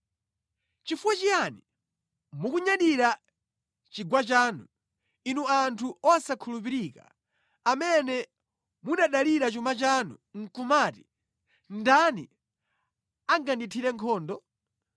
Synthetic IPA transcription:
t͡ʃifuwat͡ʃijani | mukuɲaɗiɾa | t͡ʃiɡwat͡ʃaːnu | inuantʰuɔsakʰulupiɾiːka̰ | amɛnɛ | muɗaɗaliɾat͡ʃumat͡ʃanṵŋ̩kumaːti | ndanḭ | aŋɡanditʰiɾɛŋkʰɔːndɔ

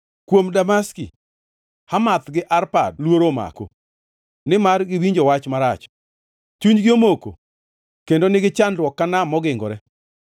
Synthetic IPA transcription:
kwomdamaskḭ | hamat̪ɡɪʔarpa̰dlwoɾoma̰ko̰ | nɪmarɡɪwiɲd͡ʒowat͡ʃmaɾat͡ʃ | t͡ʃuɲd͡ʒɡiomoko̰ | kendonɪɡɪt͡ʃandwɔkːanamːɔɡɪŋɡɔɾɛ

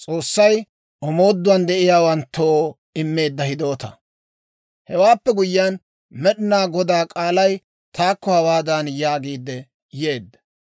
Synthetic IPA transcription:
t͡sʼo̞ːsːɐj | ʔɔmo̞ːd̪ːʊɐnd̪ɛʔɪjaːwɐnt̪ʰːoː | ɪmːe̞ːd̪ːɐhɪd̪o̞ːt̪ɐ̰ | hɛwaːpːɛɡʊjɪan | mɛɗɪnaːɡɔd̪aːkʼaːlɐj | t̪ʰaːkːɔhɐwaːd̪anjaːɡiːd̪ːɛ | je̞ːd̪ːɐ

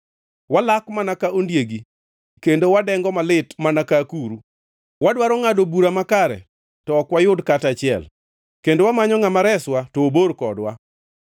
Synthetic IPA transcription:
walakmanakaondjeɡi | kendowadɛŋɡɔmalɪtmanakakuɾu | wadwaɾɔŋadobuɾamakaɾɛ̰ | tɔːkwajʊdkatat͡ʃɪɛ̰l | kendowamaɲɔŋamaɾɛswatɔːboɾkɔdwa

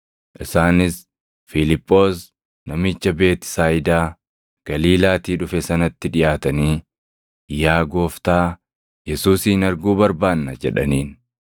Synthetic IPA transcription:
ʔɪsaːnɪs | fɪlɪpʼːo̞ːs | nɐmɪt͡ʃːɐbe̞ːt̪ɪ̥saːjɪd̪aː | ɡ̥ɐliːlaːt̪iːᶑʊfɛsɐnɐt̪ːɪᶑɪjaːt̪ɐniː | jaːɡo̞ːft̪aː | jɛsuːshɪnɐɾɡuːbɐɾbaːnːɐd͡ʒɛ̰ᶑɐ̰niːn

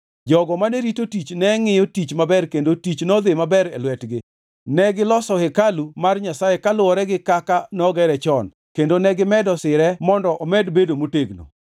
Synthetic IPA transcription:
d͡ʒɔɡɔmaneɾitotit͡ʃnɛŋɪjotit͡ʃmabɛrkendotit͡ʃnɔd̪ɪmabɛɾɛ̰lwɛtɡɪ | nɛɡɪlɔsɔhɛkalumarɲasajekalʊɔɾɛɡɪkakanɔɡɛɾɛt͡ʃɔn | kendonɛɡɪmɛdɔsɪɾɛmɔndɔʔɔmɛdbedomoteɡno̰

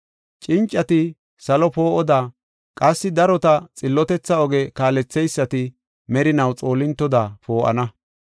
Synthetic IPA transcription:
t͡ʃʼɪnt͡ʃʼːɐt̪ɪ | sɐlɔpo̞ːʔɔd̪aː | kʼɐsːɪd̪ɐɾɔt̪ɐt͡sʼɪlːɔt̪ɛt͡sːɐɔɡɛkaːlɛt͡sːɛjsːɐt̪ɪ | mɛɾɪnɐwt͡sʼo̞ːlːɪnt̪ːɔd̪apo̞ːʔɐ̰nɐ

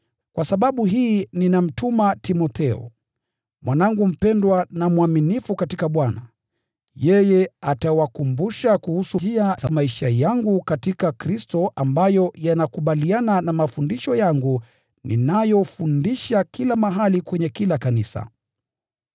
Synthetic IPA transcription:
kwasaɓaɓuɦiːninam̩tumatimɔt̪ʰɛɔ̰ | mwʔanaŋɡum̩pɛndwanamwaminifukatikaɓwana | jɛjɛatawakumbuʃakuhusuiaamaiʃajaŋɡukatikakɾistɔʔambajɔjanakuɓaliananamafundiʃɔjaŋɡu | nḭnajɔfundiʃakilamaɦalikwɛɲɛkilakanisa̰

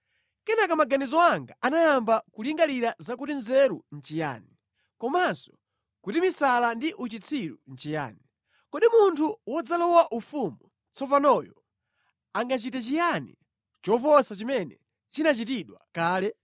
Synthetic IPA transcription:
kɛnakamaɡanizɔaŋɡaanajambakuliŋɡaliɾazakutinzɛɾun̩t͡ʃija̰ni | kɔmansɔ̥ | kutimisalandiʔut͡ʃit͡sʰiɾṵn̩t͡ʃija̰ːni | kɔɗimuntʰuwɔd͡zalɔwaʔufumu | t͡sʰɔvanɔjɔ | aŋɡat͡ʃitɛt͡ʃijanḭ | t͡ʃɔfɔsat͡ʃimɛnɛ | t͡ʃinat͡ʃitiɗwa̰kaːlɛ

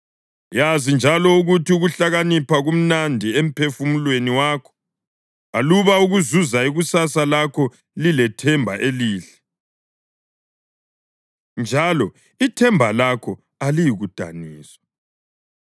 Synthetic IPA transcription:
jazind͡ʒʱalɔuɣutʰiuɣuɬaɣanipʰaɣum̩nandʱiem̩pʰefumulweniwaːkʰɔ̥ | aluβauɣuzuzaiɣusasalakʰɔ | lilɛtʰɛmbʱa̰ʔeliːɬɛ̥ | nd͡ʒʱalɔ | itʰɛmbʱalakʰɔ | alijiɣud̥ʱa̰niːswḁ

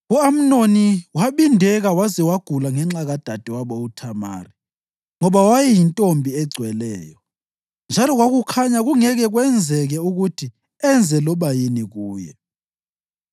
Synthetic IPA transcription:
uam̩noniwaɓindʱɛɣawazɛwaɡ̥ʱulaŋɛŋ͡ǁaɣad̥ʱad̥ʱɛwaɓɔutʰama̰ːri | ŋɔβawajɛjintʼombʱiɛɡ͡ǀʱwɛlɛːjɔ | nd͡ʒʱalɔɣwaɣukʰaɲaɣuŋɛɣɛɣwɛnd͡zʱɛɣɛuɣutʰi | ɛnd͡zʱɛlɔɓajiniɣuːjɛ̰

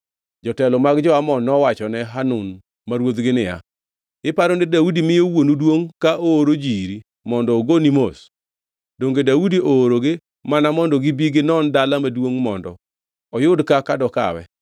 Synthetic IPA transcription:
d͡ʒɔtɛlɔmaɡd͡ʒɔamɔnɔwat͡ʃɔnɛɦanʊn | maɾwot̪ɡɪnɪja̰ | ɪpaɾonɪdaudimɪjowonudwoŋkaʔoːɾod͡ʒiɾi | mɔndɔoɡonimos | doŋɡedaudiʔoːɾoɡɪ | manamɔndɔɡɪbiɡɪnɔndalamadwoŋmɔndɔ̰ | ɔjʊdkakadɔka̰wɛ̰

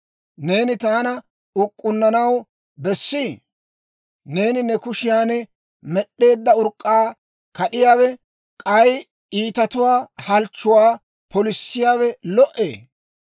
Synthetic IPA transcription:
ne̞ːnɪt̪aːnɐ | ʊkʼːʊnːɐnɐw | bɛsːiː | ne̞ːnɪnɛkʊʃɪjaːnɛ | mɛɗːe̞ːd̪ːɐʊɾkʼːaː | kɐɗɪjaːwɛ | kʼɐj | iːt̪ɐt̪ʊwaːhɐlt͡ʃːʊwaː | pɔlɪsːɪjaːwɛlɔʔe̞ː

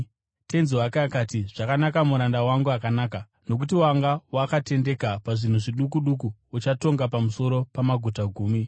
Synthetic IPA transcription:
tenzwakaːkatiʐ̥akanakamuɾandawaŋɡuakanaːka | no̞k̬utiwaŋɡawakate̞nde̞kapaʐin̤uʐiɗukuɗuk̬uut͡ʃato̞ŋɡapamuso̞ɾo̞pamaɡʱutaɡʱuːmi

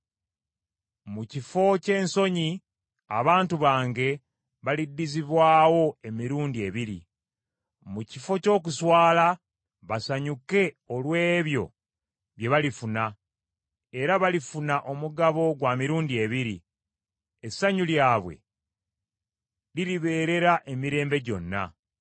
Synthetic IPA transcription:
mucifo̞ce̞ːnso̞ɲi | a̰βaːntuβaːŋɡe̞ | βalidːiziβwaːwo̞e̞miɾuːndie̞βiɾḭ | mucifo̞co̞ːk̬uswaːla | βasaɲuke̞ | olwe̞ːβjo̞̰ | βje̞βalifuna | eɾaβalifunaʔo̞muɡaβo̞ɡwamiɾuːndie̞βiɾḭ | esːaɲuljaːβwe̞̰ | liliβe̞ːɾe̞ɾaʔe̞miɾe̞ːmbe̞ɟo̞̰nːa̰

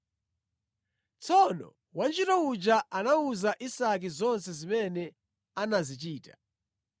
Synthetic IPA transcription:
t͡sʰɔnɔ̰ | want͡ʃitɔud͡ʒaʔanauzaʔisak̬izɔnsɛzimɛnɛ | anazit͡ʃiːta

